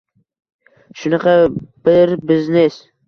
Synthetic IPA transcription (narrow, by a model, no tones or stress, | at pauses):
ʃʊnɑqʰɑb̥ɪɾbɪznes